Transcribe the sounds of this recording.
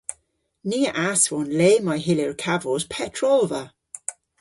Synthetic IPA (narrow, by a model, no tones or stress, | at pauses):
niːəʔasvɔnleːmajɦɪleɹkʰavɔz̥pʰɛtʰɹɔlvə